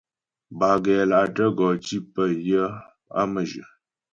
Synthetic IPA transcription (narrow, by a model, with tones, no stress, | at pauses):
ba˨ɡɛ˨la˨ʔtə˦ɡɔ˨t͡ʃi˦pə˦jə˦ | a̰˦mə˨ʒə̰˨